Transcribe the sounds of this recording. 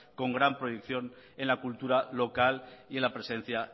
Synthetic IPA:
ko̞ŋɡɾampɾojekθjo̞n | enlakult̪uɾalo̞kalie̞nlapɾe̞sẽ̞n̟θja

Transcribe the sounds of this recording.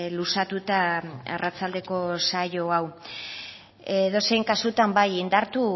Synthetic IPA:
lusat̪ut̪aarʔat͡sald̪e̞ko̞sajo̞aw | eðo̞se̞jŋkasut̪ambajind̪aɾt̪u

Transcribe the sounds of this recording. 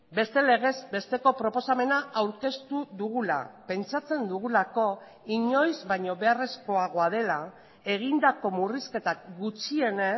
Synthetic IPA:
be̞st̪e̞le̞ɣ̞e̞zbe̞st̪e̞ko̞pɾo̞po̞same̞naawɾke̞st̪uðuɣ̞ula̰pe̞nt͡sat͡se̞nd̪uɣ̞ulako̞ | iɲo̞jzβaɲo̞βe̞are̞sko̞aɣ̞o̞aðe̞la | e̞ɣ̞ind̪ako̞muriske̞t̪akɡut͡ʃie̞ne

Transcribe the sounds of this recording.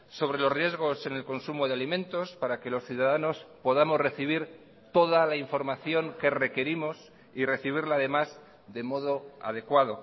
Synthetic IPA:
so̞β̞ɾe̞lo̞zrje̞zɣ̞o̞se̞ne̞lko̞nsumoð̞ealimẽ̞nt̪o̞spaɾake̞lo̞sθjuðaðano̞spo̞ðamo̞zre̞θiβ̞iɾ | t̪o̞ðalaiɱfo̞ɾmaθjo̞ŋke̞re̞ke̞ɾimo̞s | ire̞θiβ̞iɾlaːðe̞maz | ðe̞mo̞ð̞o̞a̰ðe̞kwað̞o̞

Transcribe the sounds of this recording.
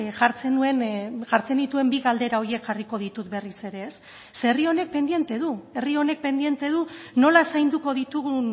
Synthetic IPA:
ʝaɾt͡senue̞nʝaɾt͡se̞nd̪it̪ue̞mbiɣald̪e̞ɾao̞ɾie̞kʝariko̞ðit̪ut̪̚be̞rise̞ɾe̞ːsː | erio̞ne̞k̚pe̞nd̪je̞nt̪e̞ðue̞rio̞ne̞k̚pe̞nd̪ie̞nt̪e̞ðuno̞lasajnd̪uko̞ð̞it̪uɣun

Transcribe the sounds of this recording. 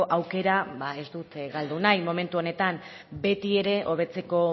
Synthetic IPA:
oʔawke̞ɾaβae̞zd̪ut̪ɣald̪unajmo̞me̞nt̪uo̞ne̞t̪am | be̞t̪ie̞ɾe̞ʔo̞β̞e̞t͡se̞ko̞

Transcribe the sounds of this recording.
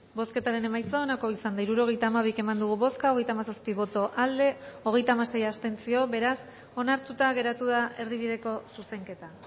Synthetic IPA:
bo̞ske̞t̪aɾe̞ne̞majt͡soːnako̞isand̪aiɾuɾo̞ɣ̞e̞jt̪aːmaβ̞ike̞mand̪uɣ̞uβo̞skaoɣe̞jt̪amasaspiβo̞t̪o̞ʔald̪e̞o̞ɣ̞e̞jt̪aːmase̞jast̪e̞nt͡sio̞βe̞ɾas | o̞naɾt̪ut̪aɣe̞ɾat̪uð̞ae̞ɾðiβ̞iðe̞ko̞suse̞ŋke̞t̪a

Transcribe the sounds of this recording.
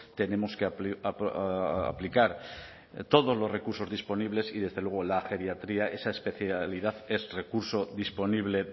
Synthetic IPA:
t̪e̞nẽ̞moske | a̰plikaɾ | t̪o̞ðo̞zlore̞kuɾso̞zðispo̞niβle̞siðe̞zðe̞lwe̞ɣ̞olaxe̞ɾjat̪ɾiae̞saespe̞θjaliðaθe̞sre̞kuɾso̞ðispo̞niβle̞

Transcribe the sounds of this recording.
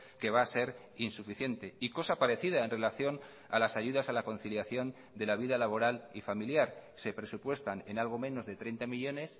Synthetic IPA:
ke̞βaːse̞ɾ | insufiθje̞nt̪e̞iko̞sapaɾe̞θiðae̞nre̞laθjo̞n | a̰lasaʝuðasalako̞nθiljaθjo̞n | d̪e̞laβ̞iðalaβ̞o̞ɾalifamiljaɾse̞pɾe̞supwe̞st̪ane̞nalɣ̞o̞mẽ̞no̞zðe̞t̪ɾe̞jnt̪amiʎo̞ne̞s

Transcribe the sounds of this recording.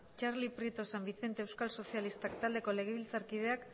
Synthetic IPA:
t͡ʃaɾlipɾit̪o̞sambiθe̞nt̪e̞ːwskalso̞sialist̪akt̪ald̪e̞ko̞le̞ɣ̞e̞βilt͡saɾkið̞e̞ak

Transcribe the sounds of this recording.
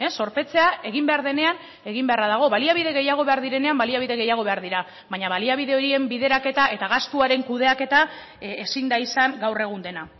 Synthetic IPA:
esːo̞ɾpe̞t͡se̞ae̞ɣ̞imbe̞aɾðe̞ne̞an | e̞ɣ̞imbearaðaɣ̞o̞βaliaβ̞iðe̞ɣe̞jaɣ̞o̞βe̞aɾðiɾe̞ne̞ambaliaβiðe̞ɣe̞jaɣ̞o̞βe̞aɾðiɾa | βaɲaβaliaβ̞iðe̞o̞ɾie̞mbiðe̞ɾake̞t̪aʔe̞t̪aɣ̞ast̪uaɾe̞ŋkuðe̞ake̞t̪a | esind̪aisaŋɡawre̞ɣ̞und̪e̞na

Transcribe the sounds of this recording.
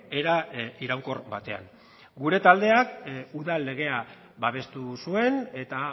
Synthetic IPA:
eɾaiɾawŋko̞rbat̪e̞a̰ŋ | ɡuɾe̞t̪ald̪e̞akuðalːe̞ɣ̞e̞a | βaβe̞st̪usue̞ne̞t̪a

